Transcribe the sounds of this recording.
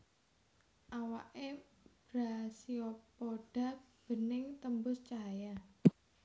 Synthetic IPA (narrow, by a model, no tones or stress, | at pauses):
ʔawaʔe | b̥ɾasiopoɖ̥a̤b̥ə̤nɪŋt̪əmbʊst͡ʃaja